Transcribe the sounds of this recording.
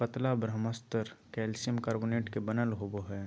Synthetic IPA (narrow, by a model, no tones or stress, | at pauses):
pət̪labɾəməst̪əɾkɛːlsiəmkaːɾboːneːʈkebənəlɦoboɦɛː